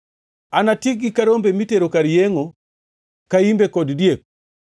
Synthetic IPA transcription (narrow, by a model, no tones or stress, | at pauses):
anatiɡikaɾɔmbɛmitɛɾɔkaɾijɛŋɔ | kaimbɛkɔdidjɛk